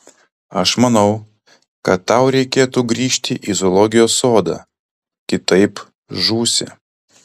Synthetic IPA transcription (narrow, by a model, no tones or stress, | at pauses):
ɐʃmɐnɒʊ | kɐt̪ːɑˑʊɾʲɛɪkʲeːt̪uːɡɾʲiːʃʲt̪ʲɪʔizolˠɔɡʲɪjoːsːoːd̪ɑ̰ː | kʲɪt̪ɐɪp | ʒuːsʲɪ̰